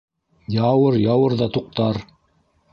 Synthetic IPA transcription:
jɑwɤɾjɑwɤɾðɑt̪uq̚t̪ɑɾ

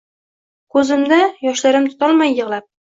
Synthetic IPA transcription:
kʰɵzɪmd̪ajɒʃlaɾɪmt̪ʰʊ̥t̪ɒlˠmajːɨʁlˠap̚

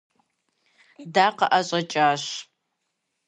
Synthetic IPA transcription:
daːqɐʔɐɕʼɐt͡ʃʼaːɕ

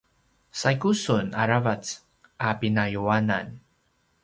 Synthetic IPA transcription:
sajkusunaɾavat͡s | apinajuana̰n

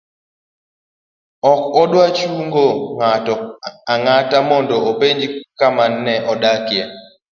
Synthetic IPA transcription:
ɔkɔɗwat͡ʃuŋɡoŋatɔaŋatamɔndɔopeɲd͡ʒikamanːɛʔɔɗakjɛ

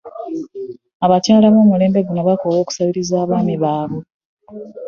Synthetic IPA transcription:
aβacaːlaβoːmule̞ːmbe̞ɡunoβakowo̞ːku̥saβiɾizaːβaːniβaːβo

